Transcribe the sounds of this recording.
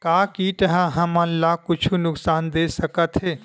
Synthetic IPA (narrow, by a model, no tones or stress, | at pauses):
kaːkiʈ̪əɦãɦɐmə̃nlakʊt͡ʃʰunʊksaːnd̪eːsəkət̪ɦeː